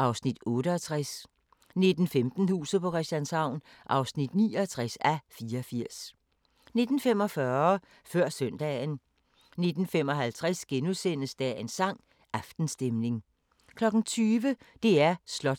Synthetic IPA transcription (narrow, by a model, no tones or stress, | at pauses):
ʔɑ̈ʊsnid̥ɔ̽ːɾəɒt͡sʰʁas | ne̝d̥n̩femd̥n̩hṵːsð̩ˠpʰɒ̽kʰɛsænshɑ̈ʊ̰n | ʔɑ̈ʊsnid̥niːɒt͡sʰʁasæfiːɐɒfiɐ̰s | ne̝d̥n̩fem̰ɒ̽fɶːɐ | fɶɐ̰sœn̰d̥ɛ̰ːn | ne̝d̥n̩femɒ̽ɦælt͡sʰʁasɡ̥enusen̰əsd̥ɛe̝nsɑ̈ŋ̰ | ʔɑfd̥n̩sd̥emne̝ŋ | kʰlɒ̽ɡ̥n̩t͡sʰyːʋəd̥e̝æɐslɒ̥̽